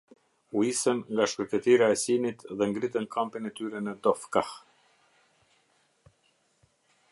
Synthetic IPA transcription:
uisənŋɡaʃkəɾt̪ɛt̪iɾaɛsinit̪ðɛŋɡɾit̪ənkʰampinɛt̪yɾɛnəd̪ɔfkah

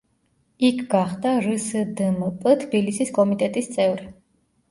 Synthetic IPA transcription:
ikʰɡaχd̪aɾəsəd̪əmpʼət̪ʰb̥ilisiskʼɔmit̪ʼɛt̪ʼist̪sʼɛvɾi

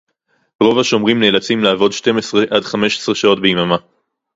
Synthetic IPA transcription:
ʁo̞vaʃo̞mʁimneːlat͡simlaaːvo̞dʃte̞mesʁe̞ʔadχame̞ʃe̥sʁeʃao̞tbeimama

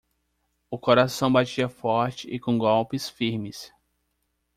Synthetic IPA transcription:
ʊkoɾasɐ̃w̃bat͡ʃiɐfɔɾt͡ʃɪʔɪkõɡɔwpɪsfiɾmɪs

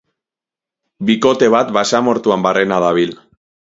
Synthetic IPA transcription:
biko̞t̪e̞β̞at̪basamo̞ɾt̪uambarʔenaðaβ̞il

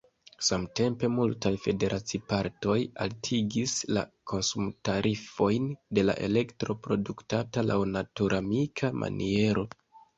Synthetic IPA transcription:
samte̞mpe̞multajfe̞de̞ɾʔat͡sipaɾto̞ja̰ltʰiɡisla̰kʰo̞nsumtaɾʔifo̞jnde̞la̰ʔe̞̰le̞ktɾo̞pɾo̞duktatalʔawnatuɾʔamikʰamʔa̰nʔie̞ɾo̞

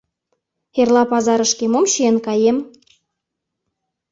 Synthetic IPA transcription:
erlˠɑpɑzɑɾɤ̆ʃkemomɕiĕnkɑjem

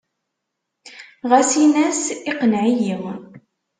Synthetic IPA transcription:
ʁæsinæsiqənʕijiw

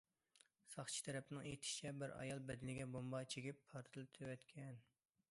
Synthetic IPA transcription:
sɑχt͡ʃʰi̥t̪ʰɛɾɛpɪnɪŋejt̪ʰɪ̥t͡ʃʰɛbɪɾɑ̰jɑlˠbɛd̪ɪnɪɡʲɛbombɑt͡ʃʰeɡʲipʰːɑɾt̪ʰɨlˠɨt̪ʰwɛt̪kʲʰɛn

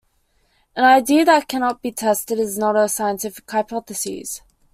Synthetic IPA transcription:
ə̃naɪdiəðət̚kʰænɑt̚b̥itʰɛstɨɾɨznəɾəsaɪə̃ntʰɪfɪ̥khaɪpʰɑθəsḭz̥

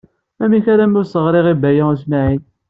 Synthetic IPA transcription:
æmiçaɾamʊɾsəʁɾeʁibæjausmaʕin

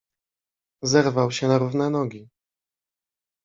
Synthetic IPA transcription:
zɛɾvawɕɛnaɾuvnɛnɔɡʲi

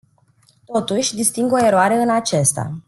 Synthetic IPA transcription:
t̪o̞t̪uʃʲd̪ist̪iŋɡo̞e̞ɾoaɾe̞ɨnat͡ʃest̪a̰

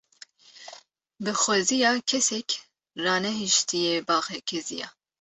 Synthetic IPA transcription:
bɨxʷɛzijɑːkʰɛsɛk | rɑːnɛɦiʃt̪ʰijebɑːxɛkʰɛzijɑ̰ː

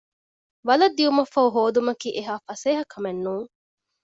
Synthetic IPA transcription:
ʋɐlɐd̪ːiumɐfɐɦuɦoːd̪umɐkiːʔeɦaːfɐseːɦɐkʰɐmenːuːŋ

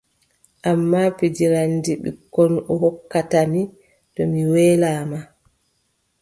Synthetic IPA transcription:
ʔamːapid͡ʒiɾandiɓḭkːɔnɔɦɔkːatami | tɔmiwɛːlaːma

